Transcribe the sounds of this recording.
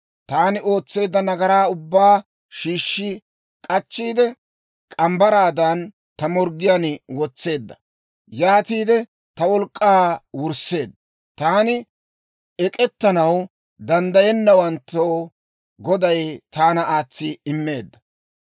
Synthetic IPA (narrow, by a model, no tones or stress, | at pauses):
t̪aːnɪo̞ːt͡sːe̞ːd̪ːɐnɐɡɐɾaːʊbːaː | ʃiːʃːɪ | kʼɐt͡ʃːiːd̪ɛ | kʼɐmbɐɾaːd̪ɐn | t̪ɐmɔɾɡɪjanwɔt͡sːe̞ːd̪ːɐ | jaːt̪iːd̪ɛ | t̪ɐwɔlkʼːaːwʊɾse̞ːd̪ːɐ | t̪aːnɪ | ɛkʼɛt̪ːɐnɐw | d̪ɐnd̪ɐjɛnːɐwɐnt̪ːoː | ɡɔd̪ɐjt̪aːnɐʔaːt͡sːɪɪmːe̞ːd̪ːɐ